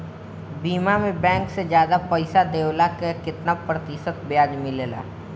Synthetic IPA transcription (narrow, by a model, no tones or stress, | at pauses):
biːmamẽbɛ̃ːŋksed͡ʒjaːd̪apɐɪsad̪eːwlakekɪt̪napɾət̪isət̪bjaːd͡ʒmɪleːla̰ː